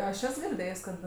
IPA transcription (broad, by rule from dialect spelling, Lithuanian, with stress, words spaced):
ɐʃ ˈɛs ɡʲɪrʲˈdʲeːjsʲ kɐt